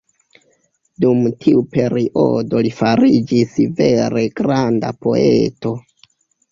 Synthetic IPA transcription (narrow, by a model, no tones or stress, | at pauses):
dumtʰiupe̞ɾiʔo̞̰do̞lifaɾid͡ʒisve̞ɾe̞ɡɾanda̰po̞ḛto̞